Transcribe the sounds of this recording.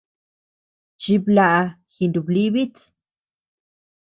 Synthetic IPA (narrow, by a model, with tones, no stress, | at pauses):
t͡ʃi˧bla˧˨ʔa˧ | xi˨˧nd̪u˨bli˦βi˦t̪